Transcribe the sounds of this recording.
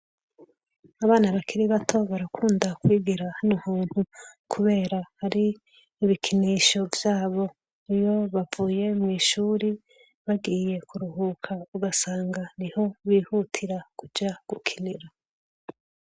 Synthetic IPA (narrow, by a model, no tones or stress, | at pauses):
aβaːnaβakʰiɾiβatʰo̞βaɾakʰuːndakwiːɡiɾahanumuːn̥hukʰuβe̞ːɾahaɾiː | βikʰiniːʃo̞vjaːβo̞ | ijo̞βavuːje̞mŋiːʃuːɾi | βaɡiːje̞kʰuɾuhuːkʰauɡasaːŋɡaniho̞βiːhutʰiɾakud͡ʒaɡ̥ukʰiniɾa